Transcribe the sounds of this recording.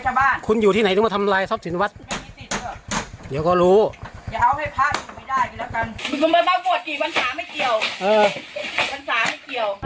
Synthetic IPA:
t͡ɕʰa˧˩baː˧˥˩nkʰu˧njuː˨˩iː˥˩na˨˦j̪aː˧˩t̪ʰa˧mlaː˧jsɔ˧˥p̚si˨˦nwa˦˥t̪̚ma˥˩jmiː˧si˨˩t̪̚ːʰɯ˧˥˩ɐkdi˨˦wkɔː˥˩ɾuː˦˥jaː˨˧˩ʔa˧wha˥˩jpʰaː˥˩t̚u˨˩ma˧˩jdaː˥˩jku˨˩lɛː˦˥˩wka˧n˧ku˧˦nbɔː˧˦t̪aː˧˥wku˨˩ət̪̚kiː˨˩wa˧nsaː˨˩˦ma˥˩jki˨˩əwʔɤː˧kiː˨˩wa˧nsaː˩˦ma˥˩jki˨˩əw

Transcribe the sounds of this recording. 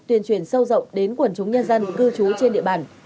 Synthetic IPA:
t̪wi˧˩ənt͡ɕwi˧˩ənsə˧wzə̰˧˨wŋ͡mɗe˨˦nkwə˧˩nt͡ɕʊ˨˦ŋ͡mɲə˧nzə˧nkɨ˧t͡ɕu˨˦t͡ɕe˧nɗḭ˧˨əɓaː˧˩n

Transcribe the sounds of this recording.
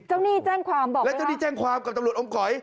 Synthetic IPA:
t͡ɕa˥˩wniː˥˩t͡ɕɛː˥˩ŋkʰwaː˧mbɔː˨˩lɛ˦˥t͡ɕa˥˩wniː˥˩t͡ɕɛː˥˩ŋkʰwaː˧mka˨˩p̚t̪mu˨˩ət̪ʔo˧mkɔ˨˩˦j

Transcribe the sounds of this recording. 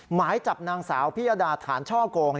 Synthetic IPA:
maː˩˦jt͡ɕa˨˩p̚naː˧ŋsaː˩˦wpʰi˦˥˩ʔa˧daː˧t̪ʰa̰ː˩˦nt͡ɕʰɔː˥˩koː˧ŋn

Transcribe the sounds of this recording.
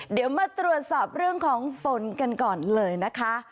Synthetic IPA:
di˨˩˦wmaː˧t̪ɾu˨˩ət̪̚sɔː˨˩p̚ɾɯ˥˩əŋkʰɔː˩˦ŋfo˩˦nka˧nkɔː˨˩nlɤː˧jna˦˥kʰa˦˥

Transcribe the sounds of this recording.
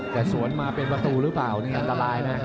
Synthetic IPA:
t̪ɛː˨˩su˩˦ənmaː˧pe˧npa˧t̪uː˧ɾɯː˦plaː˨˩wni˧˩ŋa˥nt̪a˧laː˧jna˦˥

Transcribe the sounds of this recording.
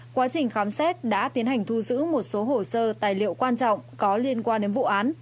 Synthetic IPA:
kwaː˨˦t͡ɕï˨˩ŋ̟xaː˨˦msɛ˦˥t̚ɗa̰ː˧˥t̪i˨˦ənhɦa˨˩jŋ̟t̪ʰu˧zɨ̰˧˥mo˨˩t̚so˨˦ɦo˧˩səː˧t̪aː˨˩jlḭ˧˨ə˨wkwaː˧nt͡ɕɔ̰˧˨wŋ͡mkɔ˨˦li˧ənkwaː˧nɗe˨˦nvṵ˧˨ʔaː˨˦n

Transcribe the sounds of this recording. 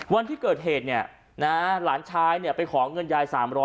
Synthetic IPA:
wa˧nt̪ʰiː˥˩kɤː˨˩t̪̚ɦeː˨˩t̪̚ni˥˩ɐ | na˦˥laː˩˦nt͡ɕʰaː˦˥jni˥˩ɐpa˧jkʰɔː˩˦ŋɤ˧njaː˧jsaː˩˦mɾɔː˦˥

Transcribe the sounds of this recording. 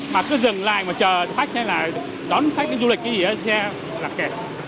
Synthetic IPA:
maː˨˩kɨ˨˦zɨ˨˩ŋla̰ː˧˨jmaː˨˩t͡ɕəː˨˩˨t̪ʰa˦˥jk̟̚ha˧jlaː˨˩ | ɗɔ˨˦nʰa˦˥k̚ɨ̰˧˦˥ŋzu˧lï˨˩k̚kːaː˨˦zi˨˩ʔə˨˦sɛ˧ | laː˨˩kɛ˨˩

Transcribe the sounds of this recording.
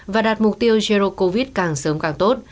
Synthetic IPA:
vaː˨˩ɗaː˨˩t̚mʊ˨˩k͡p̚t̪i˧əwzi˧ɾo˧ko˧vi˦˥t̚kaː˨˩ŋsəː˨˦mkaː˨˩ŋt̪o˦˥t̚

